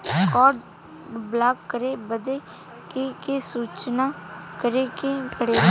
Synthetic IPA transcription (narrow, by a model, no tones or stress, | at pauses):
kɔːɖ | blaːkːəɾeːbəd̪eː | kekeːsuːt͡ʃnaːkəɾeːkekʰəɽeː